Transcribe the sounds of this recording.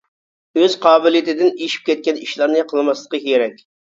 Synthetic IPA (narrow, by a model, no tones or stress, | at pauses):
øzqʰɑːbɪlˠɨjit̪ɪd̪ɪniʃi̥p̚kʲɛt̪̚kʲɛniʃlˠɑɾnɨqʰəlˠmɑslˠəqəkʲieɾɛkʲ